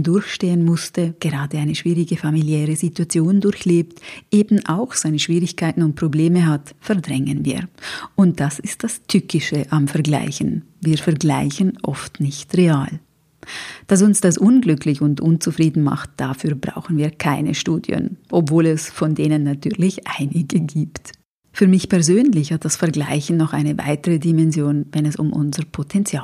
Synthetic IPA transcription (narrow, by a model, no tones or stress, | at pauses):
dʊɐçʃteːənmʊstəɡ̥əʁaːdəʔaɪnəʃv̥iːʁɪɡəfamiljɛːʁəzituat͡sjoːndʊɾçleːptʔeːbn̩ʔa̰ʊxz̥aɪnəʃv̥iːʁɪçkʰaɪtn̩ʊnt̚pʁ̥obleːməɦatfɛɐdʁɛŋənvḭːɐʔʊnt̚d̥asɪst̚d̥astʰʏkɪʃəʔamfɛɐɡla̰ɪçn̩ | viːɐfɛɐɡlaɪçən̩ʔɔ̰ftnɪçtʁeaːl | d̥as̬ʊnsd̥asʔʊnɡlʏkʰlɪçʊntʔʊnt͡sufʁ̥iːdn̩ma̰χt̚d̥afyːɐbʁa̰ʊxn̩viːɐkʰaɪnə̰ʃtuːdj̰ə̰nʔɔpv̥oːlɛsfɔndeːnənːatʰyːɐlɪçʔaɪnɪɡəɡiːpt | fyːɐmɪçpʰɛɐzøːnlɪçhat̚d̥asfɛɐɡla̰ɪçn̩ːɔχʔa̰ɪnəva̰ɪtəʁədimɛnzjoːnvɛnɛsʊ̰mʔʊ̰nzəʁpʰotʰɛnt͡sjaː